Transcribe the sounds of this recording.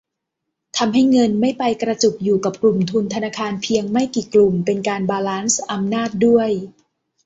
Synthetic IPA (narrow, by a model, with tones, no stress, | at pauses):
t̪ʰa˧mɦa˥˩jŋɤ˧nma˥˩jpa˧jkɾa˧t͡ɕu˨˩k̚juː˨˩ka˨˩p̚klu˨˩mt̪ʰu˧nt̪ʰa˧naː˧kʰaː˧npʰi˧əŋma˥˩jkiː˨˩klu˨˩mpe˧nkaː˧nbaː˧laː˦˥nsʔa˧mnaː˥˩t̪̚du˥˩əj